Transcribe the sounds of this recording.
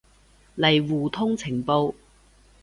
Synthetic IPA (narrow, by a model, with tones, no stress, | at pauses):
lɐ˨˩jwuː˨˩t̪ʰʊ˥ŋt͡sʰɪ˨˩ŋpo˧w